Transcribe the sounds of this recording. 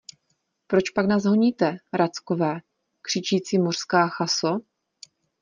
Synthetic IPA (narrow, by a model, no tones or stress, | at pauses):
pɾo̞t͡ʃpaɡnazɦoɲiːt̪ɛɾat͡skovɛː | kr̝̥ɪt͡ʃiːt͡siːmor̥skaːxaso